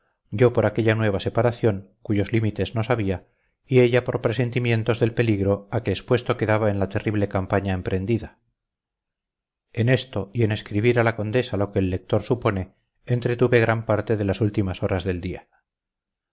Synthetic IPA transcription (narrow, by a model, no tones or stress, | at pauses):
ɟ͡ʝo̞po̞ɾake̞ʎanwe̞βase̞paɾaθjo̞ŋ | kuʝo̞zlimit̪e̞zno̞saβ̞ia | ie̞ʎapo̞ɾpɾe̞se̞nt̪imjẽ̞nt̪o̞zðe̞lpe̞liɣɾo̞akeːspwe̞st̪o̞ke̞ðaβae̞nlat̪e̞riβle̞kampaɲaempɾe̞nd̪iða | e̞ne̞st̪o̞ie̞ne̞skɾiβiɾalako̞nd̪e̞salo̞keːlːe̞k̚t̪o̞ɾsupo̞ne̞ː | nt̪ɾe̞t̪uβeɣ̞ɾampaɾt̪e̞ðe̞lasult̪imaso̞ɾazðe̞ld̪ia